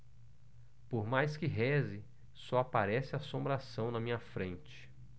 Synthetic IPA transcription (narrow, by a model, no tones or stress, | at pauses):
poɾmajskɪɦɛzɪ | sɔapaɾɛsɪasõmbɾasɐ̃w̃nɐmĩɲɐfɾẽnt͡ʃɪ̥